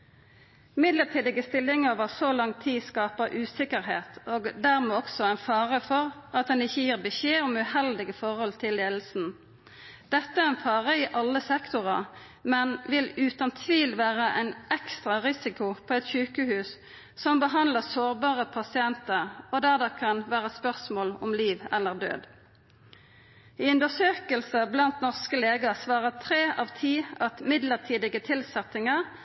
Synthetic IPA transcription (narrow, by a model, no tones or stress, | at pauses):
mɪd̪ləʁt̪ʰiːd̪ɪɡəst̪ɪlːɪŋoʋəʁsolɑŋt̪ʰiːskɑːpəʔʉːsɪkəʁɦḛːt̪oːɡd̪æʁmɛːɔksɔæɪnfɑːʁəfɔʁɑt̪̚d̪ɛnɪçːəjiːʁbəçeːɔmʉhɛld̪ɪɡəfɔʁhɔlt̪ʰɪlːeːd̪l̩sn̩ | d̪̥ɛt̪ːəæʁɛnfɑːʁəɪʔɑlːəsɛkt̪ʊʁɑ | mɛnʋɪlʉːt̪ɑnt̪ʰʋiːlʋæːʁəʔæɪnʔɛkst̪ʁɑʁɪsɪkʊpʰɔːɛt̪çʉːkəhʉːs | sɔmbəɦɑnd̪ləsoːʁbɑːʁəpʰɑsɪɛnt̪əʁɔd̪æʁd̪ɛkʰɑnʋæːʁəspœʁsmoːlɔmliːʋɛlːəʁd̪ø̰ːd̪ | ɪʉnd̪əsøːkəlsəblɑnt̪nɔʁskəleːɡɑʁsʋɑːʁət̪ʰʁeːʔɑːʋt̪ʰiːɑt̪mɪd̪ləʁt̪ʰiːd̪ɪɡət̪ʰɪlsɛt̪ɪŋəʁ